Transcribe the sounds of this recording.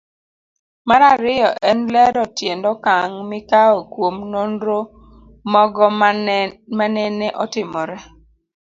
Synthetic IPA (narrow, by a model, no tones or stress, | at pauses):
maɾaɾɪjɔʔɛnlɛɾɔtjendɔkaŋmɪkaokwomnondɾo | mɔɡɔ | manɛneʔɔtɪmɔɾɛ